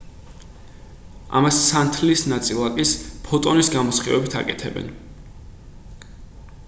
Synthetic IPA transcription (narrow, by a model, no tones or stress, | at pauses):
ʔa̰masːant̪ʰlisnat̪sʼilˠakʼispʰɔt̪ʼɔnisɡamɔsχivɛbit̪ʰa̰kʼɛt̪ʰɛ̰bɛ̰n